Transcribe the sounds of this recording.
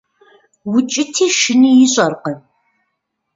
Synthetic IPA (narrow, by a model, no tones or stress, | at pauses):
wʊt͡ʃʼɪtʰiːʃɪnijɪɕʼɐrqə